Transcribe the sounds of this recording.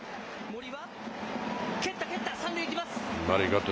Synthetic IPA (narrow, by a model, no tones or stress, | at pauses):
moɾʲiβa | ket̪ːaket̪ːasãnɾʲoikʲimasnaɾiɡat̪o